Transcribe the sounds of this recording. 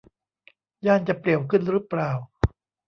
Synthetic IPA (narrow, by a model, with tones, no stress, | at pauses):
jaː˥˩nt͡ɕa˨˩pli˨˩əwkʰɯ˥˩nɾɯ˦˥plaː˨˩w